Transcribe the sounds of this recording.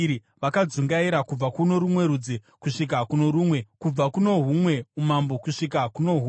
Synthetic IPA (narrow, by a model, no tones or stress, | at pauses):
ɾi | ʋakad͡zuŋɡaiɾakub͡vakuno̞ɾumwe̞ɾud͡ze | kuʂik̬akunoɾumwe̞kub͡vakuno̞ɦumwe̞umambo̞kuʂikakuno̞ɦu